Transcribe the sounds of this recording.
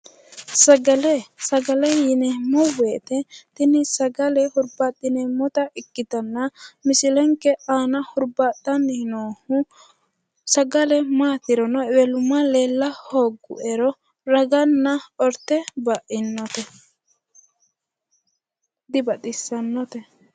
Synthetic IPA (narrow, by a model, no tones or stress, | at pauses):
sɐɡɐlɛsɐɡɐlɛjɪnɛmɔweːt̪ɛt̪ɪnɪsɐɡɐlɛhʊɾbat̪ːɪnɛmɔt̪ɐʔɪkːɪt̪ɐnːɐmɪsɪlɛŋkɛʔaːnɐhʊɾbaːt̪ːɐnːhnoːhʊ | sɐɡɐlɛmaːt̪ɪɾɔnɔwɛlʊmːɐleːlːɐhoːɡːʊ̰ʔɛɾɔ | ɾɐɡɐnːɐɔɾt̪ːɛbɐʔɪnːɔt̪ɛ | d̪ɪbɐt̪ʼɪsːɐnːɔt̪ɛ